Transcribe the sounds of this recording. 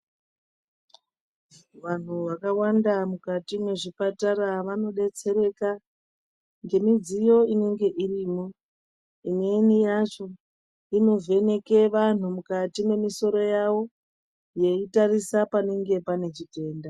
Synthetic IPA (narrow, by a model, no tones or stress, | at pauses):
ʋan̤uʋakawandamukatimwe̞ʐipataɾaʋano̞ɗe̞t͡se̞ɾe̞ka | ŋɡe̞mid͡zijo̞ine̞ŋɡe̞ʔiriːmo̞ | ine̞nijat͡ʃo̞ | ino̞vʱe̞ne̞ke̞ʋan̤umukatime̞miso̞ɾo̞jawo̞ | je̞itarisapane̞ŋɡe̞pane̞t͡ʃite̞ːnda